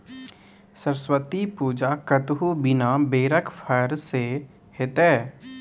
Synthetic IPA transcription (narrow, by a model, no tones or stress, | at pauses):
səɾswət̪ipuːd͡ʒaːkət̪ɦubɪnaːbeːɾəkpʰəɾse | hɪt̪ɛː